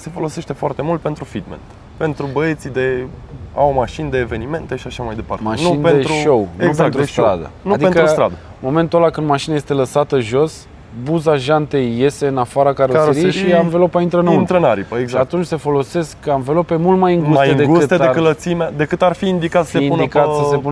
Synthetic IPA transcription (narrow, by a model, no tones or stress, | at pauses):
se̞fo̞lo̞se̞ʃt̪e̞foart̪e̞mult̪̚pet̪ɾufid̪mḛnt̪ | pe̞nt̪ɾubəet̪sid̪e̞a̰wmaʃind̪e̞ːve̞nime̞nt̪eʃiaʃamajd̪e̞pa̰rt̪maʃeninped̪net̪ɾʃuowneuɡzet̪ɾust̪ɾa̰d̪ə̰nuad̪iek̪əust̪ɾad̪ə | mo̞me̞nt̪ulakɨnd̪maʃinajest̪e̞ləsat̪əʒo̞s | buzaʒant̪e̞jːe̞st̪e̞ɨnafaɾakaɾoɾiʃiamvelopaint̪ɾənint̪ɾənaɾipəeɡʃaat̪unt͡ʃʲse̞fo̞lo̞se̞skːəamvelope̞mult̪majɨŋɡusmaj̪eɨŋd̪eɡusɨt̪t̪ed̪ekələt̪simead̪e̞kɨt̪arfiːnd̪ikat̪səəseiːnunikat̪səsepun